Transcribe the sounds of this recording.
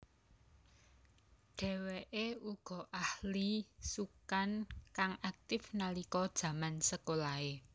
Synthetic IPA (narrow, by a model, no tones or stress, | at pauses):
ɖ̥ɛ̤weʔeuɡ̥ɔ̤ʔahlisukankaŋʔak̚t̪ɪfnalikɔd̥ʒ̥ä̤mansəkolae